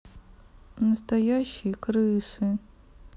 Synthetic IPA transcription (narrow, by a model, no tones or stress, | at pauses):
nəst̪ɐjaɕːɪjkrɨsɨ